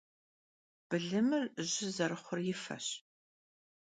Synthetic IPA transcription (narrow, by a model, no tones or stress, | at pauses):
b̥ɨɮɨmɨrʑɪzɐɾɨχʷʊrjɪfɐ̰ɕ